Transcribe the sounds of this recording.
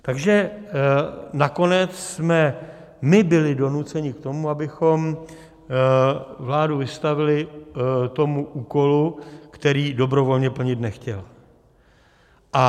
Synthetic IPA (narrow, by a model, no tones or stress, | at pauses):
t̪aɡʒɛ | nako̞nɛt͡ssmɛ | mɪbɪlɪdo̞nut͡sɛɲɪkt̪o̞muabɪxo̞m | vlaːduvɪst̪avɪlɪt̪o̞muʔuːko̞lukt̪ɛɾiːdo̞bɾo̞vo̞lɲɛpl̩ɲɪt̪nɛxcɛl | ʔa